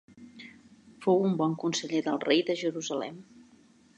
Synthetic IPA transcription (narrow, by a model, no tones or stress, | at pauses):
fowumbɔŋkunsəʎeðəlˠrejðəʒəɾuzəlɛ̰m